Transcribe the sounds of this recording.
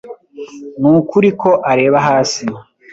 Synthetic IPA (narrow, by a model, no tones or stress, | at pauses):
nuːkuɾikʰo̞ʔaɾe̞ːβaɦaːsi